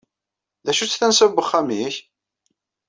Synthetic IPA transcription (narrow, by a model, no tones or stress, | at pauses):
ðæʃut͡sːθænsəvbːəχːamiç